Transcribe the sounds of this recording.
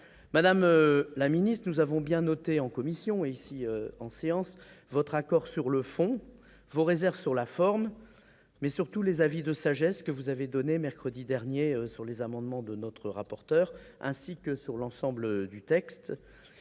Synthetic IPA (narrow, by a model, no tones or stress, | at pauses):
mad̪amølaminist̪χnuzavɔ̃bjɛ̃nɔt̪eɑ̃kɔmisjɔ̃eisiøɑ̃seɑ̃s | vɔt̪χakɔʁsyʁləfɔ̃ | voʁezɛʁvsyʁlafɔʁmː | ɛsyʁt̪ulezavid̪əsaʒɛskəvuzaved̪ɔnemɛʁkχəd̪id̪ɛʁnjeøsyʁlezamɑ̃d̪mɑ̃d̪ənɔt̪χəʁapɔʁt̪œʁɛ̰̃sikəsyʁlɑ̃sɑ̃bləd̪yt̪ɛkst̪